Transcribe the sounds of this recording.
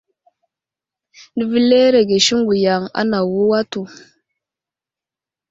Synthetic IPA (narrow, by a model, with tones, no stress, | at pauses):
di˦vi˦le˦ɾe˨ɡe˨ʃi˦ŋ˦ɡu˨ja˨ŋa̰˦na˨wu˦wa˦tu˨